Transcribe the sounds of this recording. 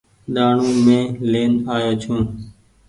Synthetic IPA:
ɗaːɳũːmẽːleːnaːjoːt͡ʃʰũː

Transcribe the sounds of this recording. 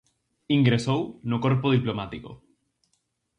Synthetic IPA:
iŋɡɾesownokoɾpoð̞iplomat̪iko̰

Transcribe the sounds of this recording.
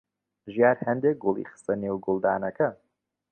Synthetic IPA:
ʒijaːɾhɐnd̪eːk̚ɡolˠḭχɨ̥st̪ɐneːwɡʊlˠd̪aːnɐkʰɐ

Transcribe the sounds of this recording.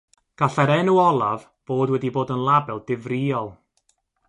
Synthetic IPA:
ɡ̥aɬɛɾɛnuɔlˠav | b̥oːdwɛdiboːdənlˠabɛlˠdɪvrɪɔlˠ

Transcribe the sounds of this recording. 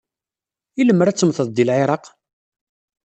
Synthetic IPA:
iləmːəɾæt͡sːəmθəðˤd̪ilʕeɾˤɑq

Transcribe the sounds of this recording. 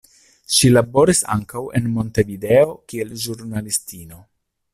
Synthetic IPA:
ʃilabo̞ɾisa̰ŋkawḛnmo̞nte̞video̞kielʒuɾnalistino̞

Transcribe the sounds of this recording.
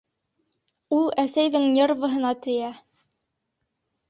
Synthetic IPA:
ulˠæsæjðɘŋnʲervɤ̆ɦɤ̆nɑt̪ɘ̆jæ

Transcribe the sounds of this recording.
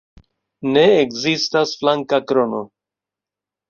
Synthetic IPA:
neːkzist̪asflaŋkakɾono

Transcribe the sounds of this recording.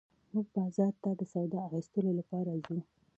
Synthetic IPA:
muɡ̚bɑzɑɾt̪ad̪əsawd̪ɑaxist̪əlolapɑɾazu

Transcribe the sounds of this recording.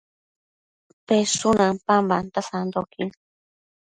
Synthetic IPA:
pesunãŋpambant̪asand̪okin

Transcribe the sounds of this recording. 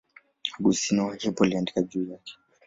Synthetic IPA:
aɓusinɔhɛpɔaliandikad͡ʒuːjakɛ̥

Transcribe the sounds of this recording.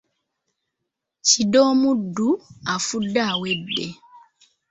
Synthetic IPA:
cidoːmudːuafudːaːwebːe

